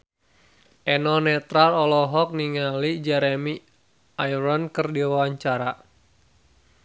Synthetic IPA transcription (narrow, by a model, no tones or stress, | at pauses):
ʔɛnɔnɛt̪ɾalɔlɔɦɔk̚niŋalid͡ʒɛɾɛmi | ajɾɔnkɨrdiawaɲt͡ʃaɾa